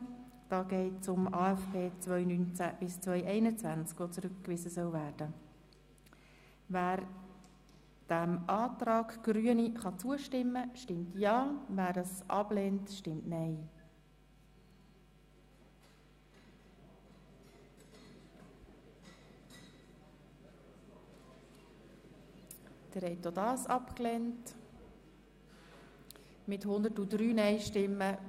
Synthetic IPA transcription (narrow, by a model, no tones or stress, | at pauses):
d̥ɑːɡɛɪtt͡sʊmɑːɛfpʰeːt͡svœʏnynt͡sæb̥ɪst͡sʋœʏʔɛɪnət͡sʋænt͡skʋot͡sɾʏkkʋɪzəsœwvæːrd̥ə | væːɾ | d̥æmʔɑːtɾɑːɡɡ̥ɾyəniχɑt͡suəʃtɪmːəʃtɪmtjɑːvæːɾəsʔɑb̥leːntʃtɪmtnɛɪ | d̪̥əɾhɛtːodɑːsɑpklɛnt | mɪthʊnd̪ətudɾyːnɛɪʃtɪmːə